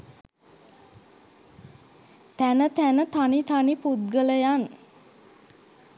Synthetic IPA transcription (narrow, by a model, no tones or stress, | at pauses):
t̪ænət̪ænət̪anit̪anipud̪̚ɡələjan